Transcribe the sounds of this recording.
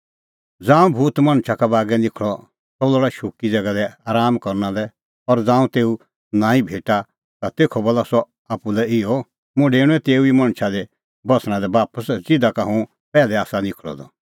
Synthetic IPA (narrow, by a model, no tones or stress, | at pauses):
d͡zãːũbʱuːt̪mɐ̃ɽ̃t͡ʃʰakabaːɡɛlɪkʰɭɔ | sɔlɔɽaʃukid͡zɐɡad̪ɛaːɾaːmkɔɾnãlɛ | ɔɾd͡zãːũt̪eːu | nãːĩbʱeːʈa | t̪at̪eːkʰɔbɔlasɔ | apulɛɪjɔ | mʊ̃ɖeːɽ̃ũɛ̃t̪eːuimɐ̃ɽ̃t͡ʃʰad̪ɛ | bɔsʰñãd̪ɛbaːpəsd͡zɪd̪akaɦũ | pɛːlɛaːsalɪkʰɭɔ̰d̪ɔ̰